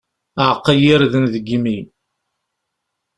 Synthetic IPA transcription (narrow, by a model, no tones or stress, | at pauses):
ʕqːəjiɾðənðəɡimi